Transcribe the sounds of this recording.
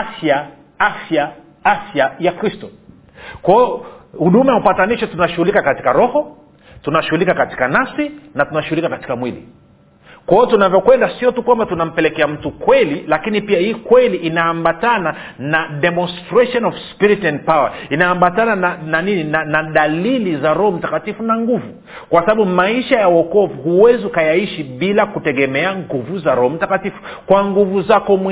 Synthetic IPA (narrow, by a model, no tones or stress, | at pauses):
afja | afja | afjajakɾistɔ | kwaɔhuɗumajaupataniʃɔtunaʃuhulikakati̥kaɾɔhɔ | tunaʃuhulikakati̥kanasinatunaʃuhulikakati̥kamwilḭ | kwaɔtunavjɔkwɛndasiɔtukwambatunam̩pɛlɛkɛam̩tukwɛlilakinipiahiːkwɛliʔinaambatana | naɗɛmɔnstɾɛʃɔnɔvspiɾitɛnd̚pawa̰inaambatananananininanaɗalilizaɾɔhɔm̩takatifunaŋɡuvu | kwasaɓaɓumaiʃajauɔkɔvuhuwɛziukajaiʃiɓilakutɛɠɛmɛaŋɡuvuzaɾɔhɔm̩takatifu̥ | kwaŋɡuvuzakɔmw